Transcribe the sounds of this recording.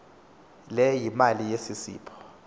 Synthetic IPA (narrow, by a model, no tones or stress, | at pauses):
lɛjimalijesisḭːpʰɔ̥